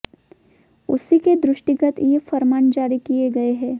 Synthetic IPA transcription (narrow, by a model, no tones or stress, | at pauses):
ʊ̰siked̪ɾʊʃʈɪɡət̪jefɐɾmaːnd͡ʒaːɾikijeɡɐeɦɛ̃ː